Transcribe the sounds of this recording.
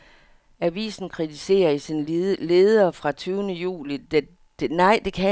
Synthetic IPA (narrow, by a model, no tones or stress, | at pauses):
æʋḭːsn̩kʰʁit͡sʰise̝̰ːɐisinle̝ːð̞ˠɐːfʁɑ̈t͡sʰyːʊnəjṵːlid̥ | d̥nɑɪ̰d̥e̝kʰæ